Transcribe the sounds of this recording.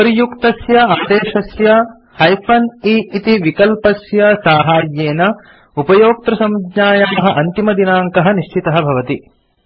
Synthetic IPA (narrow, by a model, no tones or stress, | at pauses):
pɐɾijukt̪ɐsjɐaːd̪eːʃɐsjɐ | hɐjfʰɐniit̪iʋikɐlpɐsjɐsaːɦaːɾjeːnɐ | upɐjoːk̚t̪ɾɐsɐmud̪ɲaːjaːmɐɦɐʔɐnt̪imɐd̪inaːŋkɐɦɐniʃt͡ʃit̪ɐɦɐbʱɐʋɐt̪i